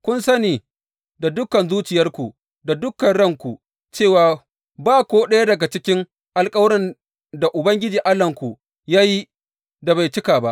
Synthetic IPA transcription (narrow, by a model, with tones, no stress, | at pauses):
kʷʊ˦nsɐ˦niː˨ | da˨dʊ˦kɐ˨nzuː˦t͡ʃɪ˨jɐ˦rkʷu˨ | da˨dʊ˦kːɐ˨nɽɐ˦˨ŋkʷu˨ | t͡ʃeː˦˨waː˨ | baː˦˨kʷoː˦ɗɐ˦ja˦dɐ˨ɡa˨t͡ʃɪ˦kʲɪ˦ŋ | ʔa˨lkʼɐ˦wɾɪ˦n | da˨ʔʊ˨bɐ˦ŋɡʲɪ˦d͡ʒiː˨ʔa˦lːɐ˨ŋkʷu˨ | jaː˦ji˦ | da˨ba˨jt͡ʃɪ˦kaː˨ba˦ʔ